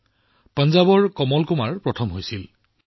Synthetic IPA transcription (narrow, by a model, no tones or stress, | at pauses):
pənzabɔɹkɔmɔlkumaɹpɹɔtʰɔmɦojsil